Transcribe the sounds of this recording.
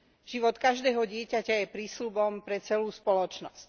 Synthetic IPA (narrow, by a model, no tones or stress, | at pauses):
ʒ̥iʋɔt̪kaʒd̪ɛːɦɔɟɪɛcacajɛpɾiːslubɔmpɾɛt͡sɛluːspɔlɔt͡ʃnɔsc